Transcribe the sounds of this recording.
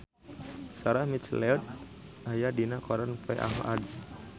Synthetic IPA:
saɾamit̪t͡ʃlɛɔt̪̚ | ajadinakɔɾanpɛʔa̰ɦa̰d

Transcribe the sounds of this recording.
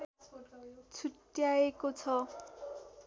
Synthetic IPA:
t͡sʰuʈjaekot͡sʰɔ

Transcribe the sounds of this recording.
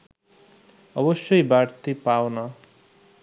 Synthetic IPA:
ʌbʌsjʌjbaɽt̪ipawnʌ

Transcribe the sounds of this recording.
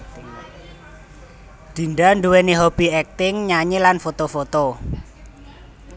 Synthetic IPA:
d̪̥i̤nɖaɳɖuweniɦob̥iɛk̚t̪ɪŋɲaɲelanfot̪ofot̪o

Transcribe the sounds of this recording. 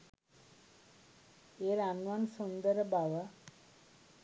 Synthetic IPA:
eɾanʋansund̪əɾəbawa

